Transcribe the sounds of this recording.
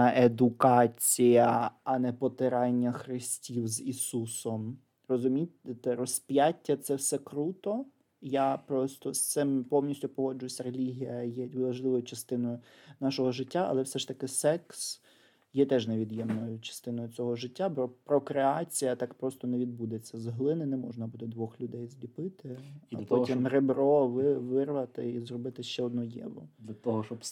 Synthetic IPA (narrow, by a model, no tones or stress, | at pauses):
ʔed̪ʊkɑt͡sʲijɐɐnɛpɔt̪ɪɾɑnʲːɐxɾɪsʲtʲiwzisusɔm | rɔzʊmʲitʲɪt̪ɛɾɔsʲpjatʲːɐt̪sɛwsɛkɾut̪ɔ | japɾɔst̪ɔst̪sɪmpɔmnʲisʲtʲʊpɔɦɔd͡ʒʊjʊsʲɐɾelʲiɦʲijɐjɛʋɐʒlˠɪʋɔjʊt͡ʃɐst̪ɪnɔjʊnɑʃɔɦɔʒɪtʲːaɐ̰lˠɛwsɛʃt̪ɐkɪsɛks | jɛt̪ɛʒneʋʲid̪jɛmnɔjʊt͡ʃɐ̥st̪ɪnɔjʊt͡sʲɔɦɔʒɪtʲːapɾɔpɾɔkɾeɑt͡sʲijɐt̪ɑkpɾɔst̪ɔneʋʲid̪̚bud̪et͡sʲːɐzɦlˠɪnɪnɛmɔʒnɐbut̪ɪd̪ʋɔxlʲʊd̪ɛjzʲlʲipɪt̪ɪɐp̪ɔtʲimrebɾɔʋɪʋɪrʋɐt̪ɪizrɔbɪt̪ɪʃt͡ʃɛɔd̪nɔjɛ̰ʋɔ̰d̪lʲɐt̪ɔɦɔʃt͡ʃɔ